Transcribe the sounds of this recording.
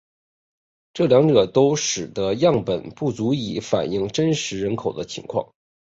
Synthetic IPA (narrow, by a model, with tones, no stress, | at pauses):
ʈ͡ʂɤ˥˩ljɑ˧˥ŋʈ͡ʂɤ˨˩t̪o˥ʊʂɻ̩˨˩d̪ə˦jɑ˥˩ŋpə˨˩npu˥˩t͡su˧˥i˧˥˩fa̰˨˩ni˥˩ŋʈ͡ʂə˥nʂɻ̩˧˥ɻə˧˥nkʰo˨˩ʊd̪ə˦t͡ɕʰi˧˥ŋkʰwɑ̰˥˩ŋ